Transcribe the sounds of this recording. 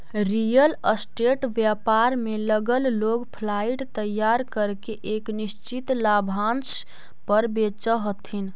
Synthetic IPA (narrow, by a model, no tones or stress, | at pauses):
ɾijələsʈeʈʋjapaɾmeləɡəlloɡpʰlaiʈt̪əjːaɾkəɾkeʔeknist͡ʃit̪labʱãns | pəɾbet͡ʃəɦot̪ʰin